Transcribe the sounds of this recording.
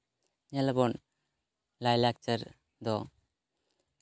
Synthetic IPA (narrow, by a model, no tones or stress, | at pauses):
ɲalbɔn | lajlak̚t͡ʃəɾ | d̪ɔ